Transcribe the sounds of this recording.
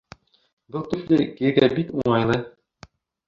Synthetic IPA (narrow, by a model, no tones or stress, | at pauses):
bɤlˠk̪ɵ̆ʃlɘɾkijɘ̆ɾɡæbik̪uɴɑjlˠɤ